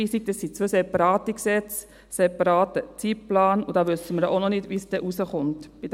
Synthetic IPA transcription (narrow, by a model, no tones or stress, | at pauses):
iːsik̚d̥ɛsːit͡sʋøsɛpɑɾɑːtəksɛt͡s | sɛpɑɾɑːtət͡sit̚plɑːnʊdɑːʋʏsəməɾjʔonɔnɪdʋisd̥ɛʔusəχʊntb̥id